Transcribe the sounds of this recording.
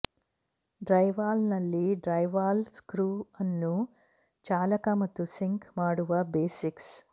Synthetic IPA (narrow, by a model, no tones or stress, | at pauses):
ɖɾɐjʋaːlnɐlːiɖɾɐjʋaːlskɾuːɐnːu | t͡ʃaːlɐkɐmɐt̪usiŋkmaːɽuʋɐbeːsiks